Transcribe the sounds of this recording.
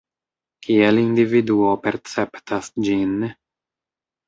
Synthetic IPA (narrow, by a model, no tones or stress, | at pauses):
kʰielindividuope̞ɾt͡septasd͡ʒin